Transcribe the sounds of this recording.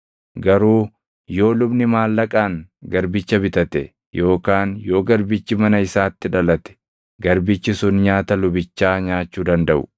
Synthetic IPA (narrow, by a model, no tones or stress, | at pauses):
ɡɐɾuː | jo̞ːlʊbnɪmaːlːɐkʼaːŋɡɐɾbɪt͡ʃːɐbɪt̪ɐt̪ɛ | jo̞ːkaːnjo̞ːɡɐɾbɪt͡ʃːɪmɐnɐɪsaːt̪ːɪᶑɐlɐt̪ɛ̥ | ɡɐɾbɪt͡ʃːɪsʊnɲaːt̪ɐlʊbɪt͡ʃːaːɲaːt͡ʃːuːd̪ɐnd̪ɐʔʊ̥̰